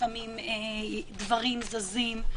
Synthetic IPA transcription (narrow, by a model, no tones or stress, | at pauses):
famimed̪vaʁimzazim